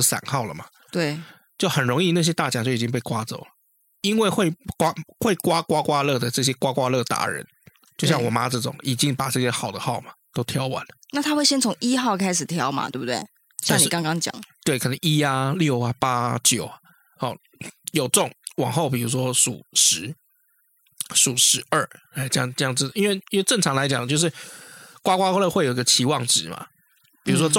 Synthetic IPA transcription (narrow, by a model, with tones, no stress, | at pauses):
sa̰˨˩˦nxɑ˥˩ʊlə˩ma˩ | t̪we˥˩ɪ | t͡ɕjo˥˩ʊxə˨˩nɻʊ˧˥ŋi˥˧na˥˩ɕ̬jɛ˥t̪a˥˩t͡ɕja˨˩t͡ɕjo˥˩ʊi˨˩t͡ɕi˦ŋp̬e˥˩ɪkwa˥t͡so̰˨˩ʊlə˦ | i˦nwe˥˧ɪxwe˥˧ɪkwa˥xwe˥˩ɪkwa˥kwa˥kwa˥lɤ˥˩d̪ə˩ʈ͡ʂɤ˥˩ɕ̬jɛ˥kwa˥kwa˥lɤ˥˩t̪a̰˧˥ɻə̰˧˦n | t͡ɕjo˥˧ʊɕjɑ˥˨wɔ˨˩ma˧˥ʈ͡ʂɤ˥˩ʈ͡ʂʊ˨˩ŋi˨˩t͡ɕi˦˥ŋpa˨˩ʈ͡ʂɤ˥˩ɕjɛ˥xɑ˨˩ʊd̪ə˦xɑ˥˩ʊma˩t̪o˥ʊt̪ʰjɑ˥ʊwa̰˧˦n˩na˥˩t̪ʰa˥xwe˥˩ɪɕjɛ˥nt͡sʰʊ˧˥ŋi˥xɑ˥˩ʊkʰa˥ɪʂɻ̩˨˩t̪ʰjɑ˧˦˥ʊma̰˨t̪we˥˩bu˨˩twe˥˩ɪ | ɕa˥˧˨ŋni˨kɑ˥ŋkɑ˥ŋt͡ɕjɑ̰˨˩ŋt̪we˥˩ɪkʰə˨nə˧˦ŋi˦˥a˨ljo˥˩ʊa˩pa˦˥t͡ɕjo˨˩ʊa | hɔ˥˨˩ | jo˨˩ʊʈ͡ʂʊ˥˨˩ŋwɑ˨˩ŋxo˥˩ʊp̬i˨˩u˧˥ʂ̬wɔ˦˥ʂṵ˨˩ʂɻ̩˧˦ | su˨˩ʂɻ̩˧˥ə˞˥˩a˥˩ʈ͡ʂɤ˥˧jɑ˥˧ŋʈ͡ʂjɑ˥˧ŋt͡s̩˥˩˨i˦˥nwe˥˧ɪi˥nwe˥˧ɪʈ͡ʂə˥˩ŋʈ͡ʂʰɑ˧˥ŋla˧˥ɪt͡ɕjɑ˨˩ŋt͡ɕjo˥˧ʊʂ̬ɻ̩˥˩kwa˦˥kwa˥wla˥˧xwe˥˩jo˨˩i˦ɡə˧t͡ɕʰi˧˥wɑ˥˨˩ŋʈ͡ʂɻ̩˨˩ma̰˨˩ | pi˨˩u˧˦˥wɔ˥˨